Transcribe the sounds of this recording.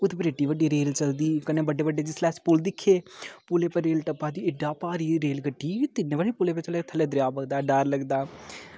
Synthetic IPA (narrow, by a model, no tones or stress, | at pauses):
ʊd̪epɾeːʈːiːʋəɖiːɾeːlt͡ʃəld̪iːkənẽːbəɖeːbəɖeːd͡ʒɪslɛːspʊld̪ɪkʰːeːpʊleːpəɾeːlʈəpːaːd̪iːɪɖaːpaːɾiːɾeːlɡəʈːiːt̪ɪnːẽːbəɽeːpʊleːpet͡ʃəleːt̪ʰəleːd̪ɾɪjaːpəɡd̪aːɖaːɾləɡd̪aː